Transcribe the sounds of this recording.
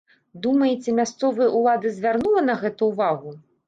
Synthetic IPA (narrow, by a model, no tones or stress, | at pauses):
d̪umɐjɛt͡sʲɛmʲast̪sɔvɨjɐʔulˠad̪ɨzʲvʲarnulˠɐnɐɣɛt̪uːvaɣu